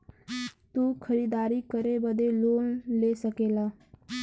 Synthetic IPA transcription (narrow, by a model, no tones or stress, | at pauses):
t̪uːkʰəɾiːd̪aːɾikəɾebəd̪eloːnleːsəkeːlaː